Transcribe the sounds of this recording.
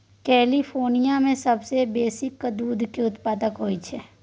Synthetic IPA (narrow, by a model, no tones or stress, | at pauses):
kɛːlifʰoːɾnijamẽsɐbsebeːsɪkːd̪uːd̪ʱkiʊt̪paːd̪əkɦoːit͡ʃʰɛː